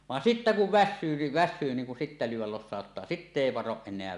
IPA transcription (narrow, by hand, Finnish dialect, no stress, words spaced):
ʋɑn sitːæ kuʋ ʋæsːyː ni ʋæsˑyː niːŋ kun sitːæ lyːwˑæl losˑɑˑotːɑː sitːe eˑi ʋɑroʔ ʔenˑeæ